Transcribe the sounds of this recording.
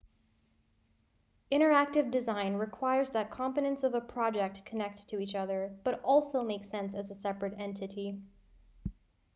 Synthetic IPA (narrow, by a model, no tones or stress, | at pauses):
ɪ̃ɾ̃ə˞æk̚tɨvdɨzãɪ̃nɹɨkʰw̥aɪə˞zðɨt̚kʰɑ̃mpɨɾɨ̃ntsʌvəpʰɹ̥ɑd͡ʒɛk̚tkʰɨnɛk̚ʰɨit͡ʃʌðə˞b̥ʌɾɔlˠsoʊmeɪksɛ̃nsɨzəsɛpɹɨɾɛ̃ntʰɨɾi